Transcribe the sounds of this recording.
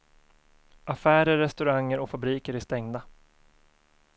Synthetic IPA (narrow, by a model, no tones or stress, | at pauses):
ʔafæːɾəɾːɛst̪ɵɾaŋːəɾɔkfabɾiːkəɾæʂt̪ɛŋd̪a